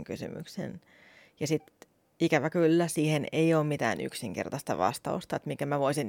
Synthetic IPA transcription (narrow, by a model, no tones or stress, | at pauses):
ŋkysy̰my̰ksḛn | jɑsit̪ | ikæʋækylːæsiːheneioːmmit̪æ̰ːny̰ksiŋkḛrt̪ɑst̪ɑ̰ʋɑ̰st̪ɑ̰ust̪ɑet̪miŋkæmæʋoisin